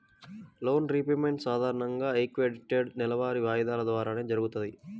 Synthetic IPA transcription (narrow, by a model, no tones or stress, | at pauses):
lo̞ːnɾiːpemeɳʈsaːd̪ʱaːɾɐɳɐŋɡaːekʋeɖiʈeɖnɛlɐʋaːɾiʋaːjɐd̪aːlɐd̪ʋaːɾaːne̞ːd͡ʒɐɾuɡut̪und̪i